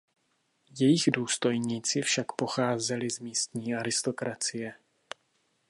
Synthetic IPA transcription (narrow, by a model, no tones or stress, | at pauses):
jɛjɪɣduːst̪o̞jɲiːt͡sɪfʃakpo̞xaːzɛlɪzmiːst̪ɲiːʔaɾɪst̪o̞kɾat͡sɪjɛ